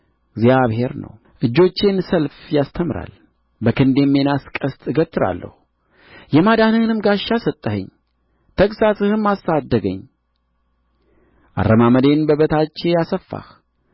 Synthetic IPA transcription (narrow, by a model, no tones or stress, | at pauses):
ɡzjaβhe̞ɾnə̰w | ʔɨd͡ʒːo̞t͡ʃːɪnsəlfjast̪ʰəmɨɾa̰l | bəkʰɨnd̪e̞mːe̞naskʼəst̪ʼɨɡət̪ʰʼːɨɾa̰lːə̰hu | jɛmad̪anɨhɨnɨmɡaʃːasət̪ʼːəhə̰ɲ | t̪ʰəkʼsasɨhɨmːasːad̪ːəɡə̰ɲ | ʔa̰rːəmaməd̪e̞nbəβət̪ʰat͡ʃːe̞jasəfːa̰h